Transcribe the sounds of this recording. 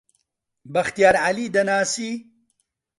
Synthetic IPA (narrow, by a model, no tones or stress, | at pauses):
bɐxt̪ijaːɾʕalid̪ɐnaːsi